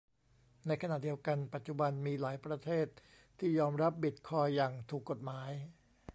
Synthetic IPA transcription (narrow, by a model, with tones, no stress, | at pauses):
na˧jkʰa˧naː˨˩t̪̚di˧əwka˧npa˨˩t̪̚t͡ɕu˨˩ba˧nmiː˧laː˩˦jpɾa˧t̪ʰeː˥˩t̪̚ʰː | iː˥˩jɔː˧mɾa˦˥p̚bi˨˩t̪̚kʰɔː˧jːaː˨˩ŋt̪ʰuː˨˩kːo˨˩t̪̚maː˩˦j